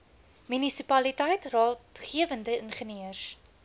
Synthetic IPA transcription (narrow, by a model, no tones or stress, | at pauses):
mynisipɐlitɛjtrɑːtχiəvəndəənχəniəs